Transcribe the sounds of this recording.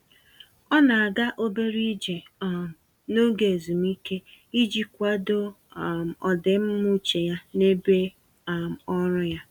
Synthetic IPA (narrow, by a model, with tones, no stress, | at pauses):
ɔ˦na˨a˨ɡa˦ʔo˦be˦ɾi˦d͡ʒe˨ | m̩˨ | no˦ɡe˨e˨zu˨m̩˦i˦ke˦i˦d͡ʒi˦kʷa˦do˦˨ | m̩˨ɔ˨dɪ˨m̩˦mu˦t͡ʃe˨ja˦ne˦be˦˨ | m̩˨ɔ˦ɾʊ˦ja˦